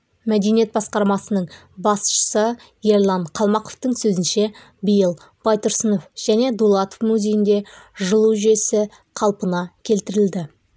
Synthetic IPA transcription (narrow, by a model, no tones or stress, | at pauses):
mæd̪e̞nije̞t̪bɑsqɑɾmɑsənəɴ | bɑsʃə̥sə | je̞ɾlˠɑɴqʰɑlˠmɑqoft̪əɴsɵzɪnʃe̞ | bijəlˠ | b̥ɑjt̪ʊɾsəno̞fʒ̥æne̞d̪ulˠɑt̪o̥fmuzʲe̞jɪnd̪e̞ʒəlˠuwʒʏe̞sɪ | qʰɑlˠpənɑkʲʰe̞lt̪ɪɾɪld̪ɪ